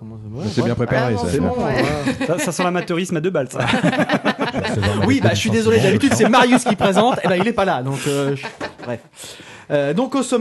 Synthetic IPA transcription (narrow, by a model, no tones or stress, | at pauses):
ɛsɛbjɛ̃pχepaʁesasɛ̃ | sasasɑ̃lamat̪øʁismad̪øbalsa | wibaʒəsɥid̪ezɔled̪abit̪yd̪sɛmaʁjyskkipχezɑ̃t̪ebailɛpalad̪ɔ̃køʒbʁɛf | ød̪ɔ̃kosɔm